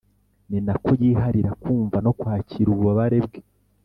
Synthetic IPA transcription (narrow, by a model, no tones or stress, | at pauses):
ninako̞jiːɦaɾiɾakuːɱvano̞kwaːciɾuβuβaβaɾebɡe